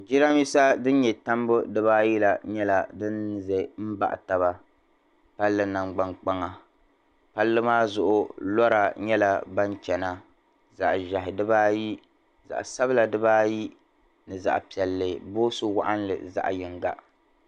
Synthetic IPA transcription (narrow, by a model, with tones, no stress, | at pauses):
d͡ʒi˦ɾa˦mji˦sa˦dɨ˦n˦ɲɛ˨ta˦mbʊ˦dɨ˦βaː˦ji˦la˨ɲɛ˦la˨dɨ˦nzɛ˨m̩˦ba̰˨ʔta˨ba˦ | pa˦lːɨ˦na˨ŋ͡mɡ͡ba˦ŋk͡pa˦ŋa˨ | pa˦lːɨ˦maː˦zʊ˨ʔʊ˨lɔ˦ɾa˨ɲɛ˦la˦ba˦nt͡ʃɛ˨na˦ | za̰˨ʔʒa˨ɦɪ˨dɨ˦baː˦ji˦ | za̰˨ʔsa˦bɨ˦la˨dɨ˦baː˦ji˦ | nɨ˨za̰˨ʔpi˨ɛ˨lːɨ˨boː˦sʊ˦wa̰˦ʔa˦nlɨ̰˨za̰˨ʔjɪ˨ŋɡa˨ʔ